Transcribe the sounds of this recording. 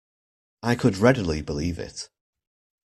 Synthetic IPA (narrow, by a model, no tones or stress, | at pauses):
aɪkʰədɹɛdəlˠibɪliːvɪ̰t